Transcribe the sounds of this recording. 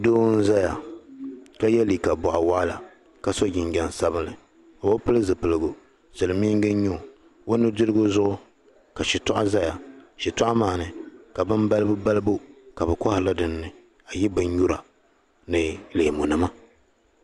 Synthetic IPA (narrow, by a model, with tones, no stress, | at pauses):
doː˦n̩˦za˦ja˨ | ka˦jɛ˦liː˨ka˨bɔ˨ʔa˨wa˦la˨ | ka˦so˦ɡʲɪ˨ŋɡʲɛ˨n˨sa˦bɨ˦nlɨ˨ | o˨wo˦pɨ˦lɨ˦zɨ˨pɨ˨lɨ˨ɡʊ˨ | sɨ˨lɨ˨mi˦ŋ˦ɡɨ˦ɲʊ˦˨ | wo˦nːɨ˦dɨ˦ɾɨ˦ɡʊ˦zʊ˦ʔʊ˦ | ka˨ʃɪ˨tɔ˦ʔa˦za˦ja˨ʃɪ˨tʊ˦ʔa˦maː˨nɨ˨ka˨bɨ˦mba˦lɨ˦bɨ˦ba˦lɨ˦bo˦ka˨bɨ˨kɔ˦hla˦dɨ˨nːɨ˨ | a˨jɛ˦bɨ˨ɲɲu˦ɾa˨ | nɨ˨le˨mu˨nɨ˨ma˦